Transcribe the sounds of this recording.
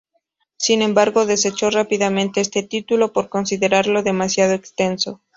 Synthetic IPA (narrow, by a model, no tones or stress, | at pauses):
sinẽ̞mbaɾɣo̞ðe̞se̞t͡ʃo̞rapiðamẽnt̪e̞est̪e̞t̪it̪ulo̞po̞ɾko̞nsiðe̞ɾaɾlo̞ðe̞masjað̞oekst̪e̞nso̞